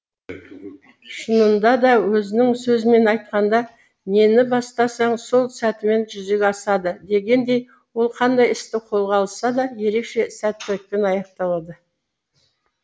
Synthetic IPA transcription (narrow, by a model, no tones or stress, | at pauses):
ʃənənd̪ɑd̪ɑwɵzɪnɪŋsɵzɪme̞nɑjt̪̚qɑnd̪ɑ | ne̞nɪbɑst̪ɑsɑɴso̞lˠsæt̪ɪme̞nʒʏzekʲɑsɑd̪əd̪e̞ɡʲe̞nd̪e̞j | wo̞lˠqʰɑnd̪ɑjɪst̪ɪqʰo̞lˠʁɑlˠəsːɑd̪ɑje̞ɾe̞kʃe̞sæt̪ːɪlɪk̚t̪enɑjɑq̚t̪ɑlˠɑd̪ə